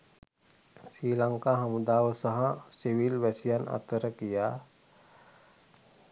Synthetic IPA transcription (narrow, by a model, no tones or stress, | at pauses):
sɾiːlaŋkaɦɐmud̪aːʋəsɐɦãsiʋilʋɛsijana̰t̪əɾəkija